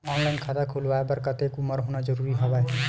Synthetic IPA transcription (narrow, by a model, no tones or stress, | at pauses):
ɔnlajnkʰad̪akʰulʋaebʌɾkʌt̪ekumːʌɾɦunad͡zʌɾuɾiɦɔbaj